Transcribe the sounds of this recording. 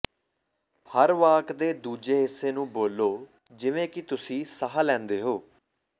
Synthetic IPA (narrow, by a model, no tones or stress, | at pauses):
həɾʋaːkd̪eːd̪uːd͡ʒeːɦɪsːeːnũːboːlːoː | d͡ʒɪʋẽːkɪt̪ʊsĩːsaɦaːlɛ̃ːnd̪eːɦoː